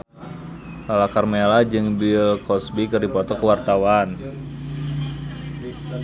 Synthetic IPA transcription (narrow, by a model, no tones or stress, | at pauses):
lalakarmelad͡ʒɨŋbilkɔsbikɨrdipɔt̪ɔkəwart̪awan